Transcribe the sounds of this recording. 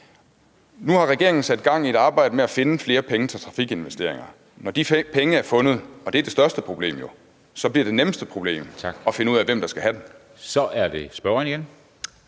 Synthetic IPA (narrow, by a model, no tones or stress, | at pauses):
nuhɑ̈ʁɛɡe̝ɐeŋn̩sæd̥̚ɡ̥ɑ̈ŋ̰ied̥ɑ̈ːb̥ɑ̈ɪ̰d̥əmeæfe̝nəfle̝ːɐpʰeŋət͡sʰet͡sʰʁɑ̈fiɡ̥e̝nʋesd̥e̝̰ɐ̰eŋɐ | nɒd̥ipʰeŋəæɐfɔ̽nð̩ˠɒ̽d̥e̝æɐd̥e̝sd̥ɶɐsd̥əpʰʁo̝b̥le̝̰ːmjo̝ | sɒ̽b̥liɐ̰d̥e̝nemsd̥əpʰʁo̝b̥le̝̰ːm̥ʰɒ̽fe̝nəuðˠæʋem̰d̥ɑ̈sɡ̥æhæd̥em | sɒ̽ʔæɐd̥esb̥ɶɐŋniɡ̥en